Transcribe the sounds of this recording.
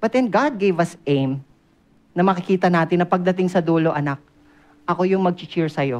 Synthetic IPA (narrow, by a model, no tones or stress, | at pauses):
b̥ɐt̪d̪ɛnɡad̪̚ɡejvɐsʔejm | nɐmɐkɪkiːt̪ɐnaːt̪ɪnːɐpɐɡ̚d̪ɐt̪ɪŋsɐd̪uːloʔɐnak̚ | ʔɐko̞jʊŋmɐɡ̚t͡ʃɪt͡ʃɪɹsɐjo̞